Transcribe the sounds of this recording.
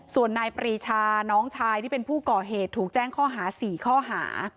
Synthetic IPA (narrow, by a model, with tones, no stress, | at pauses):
su˨˩ənːaː˧jpɾiː˧t͡ɕʰaː˧nɔː˦˥ŋt͡ɕʰaː˧jt̪ʰiː˥˩e˧npʰuː˥˩kɔː˨˩ɦeː˨˩t̪ʰːuː˨˩k̚t͡ɕɛː˥˩ŋkʰɔː˥˩ɦaː˩˦siː˨˩kʰɔː˥˩ɦa̰ː˩˦